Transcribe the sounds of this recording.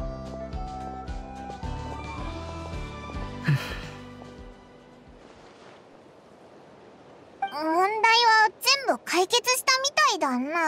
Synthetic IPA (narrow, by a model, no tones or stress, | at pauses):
mõ̞nd̪aiβazẽ̞mbɯ̟kʰaike̞t͡sɨɕi̥t̪amʲit̪aid̪anːa